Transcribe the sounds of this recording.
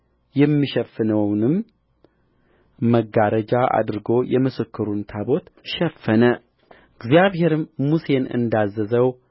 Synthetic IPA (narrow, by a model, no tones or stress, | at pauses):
jɛmːiʃɛfːɨnəwnɨm | əɡːaɾəd͡ʒaʔa̰d̪ɨɾɡo̞jɛmɨsɨkːɨɾunt̪ʰabo̞t̪ʃɛfːənə | ɨɡzijaβhe̞ɾɨmmuse̞nɨ̰nd̪azːəzəw